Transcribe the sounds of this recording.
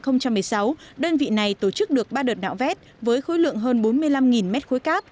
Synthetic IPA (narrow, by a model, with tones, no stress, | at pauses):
xə˧wŋ͡mt͡ɕa˧mːɨ˨˩əjsa˨˦wɗəː˧nvḭ˧˨na˨˩jt̪o˧˩t͡ɕɨ˦˥k̚ɗɨ˨˩ək̚ɓaː˧ɗəː˨˩t̚na̰ː˧˨wvɛ˦˥t̚ | vəː˨˦jxo˨˦jlɨ̰˧˨əŋɦəː˧nɓo˨˦nmɨ˧əjla˧mŋi˨˩nmɛ˦˥t̚xo˨˦jkaː˦˥p̚